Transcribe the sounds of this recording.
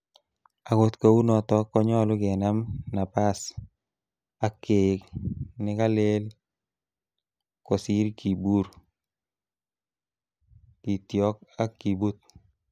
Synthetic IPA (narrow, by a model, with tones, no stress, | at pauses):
a˨ko˨t̪ko˨u˦nɔ˨tɔ˦kːɔ˦ɲɔ˦lʊ˦kɛ˨na˦mna˨pa˦s | a˦kːe˨knɪ˦ka˦le˦l | kɔ˨si˦ɾkʰi˨bu˦ɾ | ki˨tjɔ˦k̚a˦kːi˨bu˦t̪̚